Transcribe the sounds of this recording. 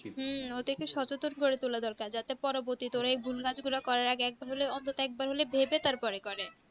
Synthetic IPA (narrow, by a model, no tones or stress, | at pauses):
ɦot̪ekeʃɔt͡ɕot̪onkoɾet̪ulad̪ɔɾkaɾd͡ʑat̪epɔɾoboɾt̪it̪oɾaejbʱulkad͡ʑɡulakɔɾaɾaɡeɛk̚baɾɦoleɔnt̪ot̪oɛk̚baɾɦolebʱebet̪aɾpɔɾekɔɾe